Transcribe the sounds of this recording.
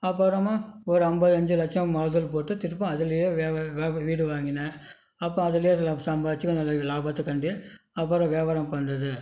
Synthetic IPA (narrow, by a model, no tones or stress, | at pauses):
ɐpːɐɾɐmaːɔɾɯɐmbɐðɯɐɲd͡ʒɯlɐk̚t͡ʃɐmmɐɻðɯlpoːʈːɯt̪ɪɾɯpːɐ̃ɐðɯlɐjeːʋeːʋːʋiːɽɯʋaːŋɡɪnɐ | ɐpːɾɔ̃ɐðɯlɐjeːsɐmbɐɐt͡ʃːɯkːɐnd̪ɐlaːbɐt̪ːɯkɐɳɖiɐp̬ːɐɾɐ̃ʋeːʋaɾɐmpɐndɐðɯ